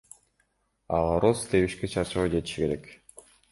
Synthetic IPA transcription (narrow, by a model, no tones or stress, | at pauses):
ɑlˠɑɾosleβiʃket͡ʃʰɑɾt͡ʃɑʁɔd͡ʒe̞t̪i̥ʃike̞ɾe̞k